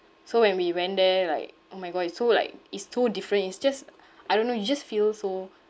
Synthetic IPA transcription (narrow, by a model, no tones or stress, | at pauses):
sowɛ̃nwiwɛ̃ndɛla̰ɪk̚ʔomaɪɡɔsola̰ɪk̚itssodifɹə̃ntitsd͡ʒas | ʔajdõnːojud͡ʒasfilso